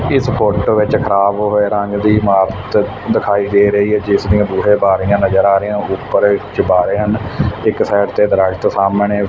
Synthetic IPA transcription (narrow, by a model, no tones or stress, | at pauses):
ɪspʰʊʈʋɪt͡ʃkʰəɾaːbɦoeːɾəŋɡd̪iːmaːɾət̪ | d̪ɪkʰaːiːd̪eːɾəɦiːɦɛːd͡ʒɪsd̪ĩjãːb̪uːɦeːbaːɾijãːnəzəɾaːɾejãːupːəɾt͡ʃbaːɾeːɦənɪksɛːʈt̪eːd̪əɾaːɡt̪saːmɳeː